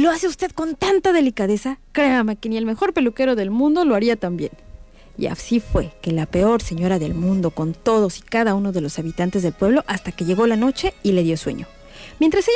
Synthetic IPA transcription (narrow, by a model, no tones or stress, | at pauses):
lo̞aseust̪e̞ð̥ko̞nt̪ant̪aðe̞likaðe̞sakɾe̞ame̞ke̞nie̞lme̞xo̞ɾpe̞luke̞ɾo̞ðe̞lmũnd̪o̞lo̞aɾiat̪ambje̞̰n | ḭa̰sifwe̞ke̞lape̞o̞ɾse̞ɲo̞ɾaðe̞lmũnd̪o̞ko̞nt̪o̞ð̞o̞si̥kaðauno̞ðe̞lo̞saβit̪ant̪e̞zðe̞lpwe̞β̞lo̞ʔast̪ake̞ʝe̞ɣo̞lano̞t͡ʃe̞ile̞ðjo̞swe̞̰ɲo̞̰ | mjent̪ɾase